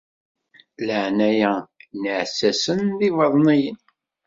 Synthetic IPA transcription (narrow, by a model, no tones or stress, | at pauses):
ləʕnæjænəʕsæsənðivɑðˤnijən